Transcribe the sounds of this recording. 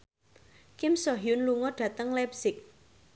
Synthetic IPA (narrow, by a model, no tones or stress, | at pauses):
kɪmsɔɦijʊnluŋɔɖ̥ä̤t̪əŋlɛpsɪk̚